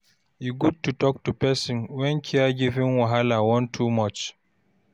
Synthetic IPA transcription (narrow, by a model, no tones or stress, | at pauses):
iɡud̚tutɔk̚tupɛsĩnwɛ̃nkʰiaɡivĩnwaɦalawɔ̃ntʰumɔt͡ʃ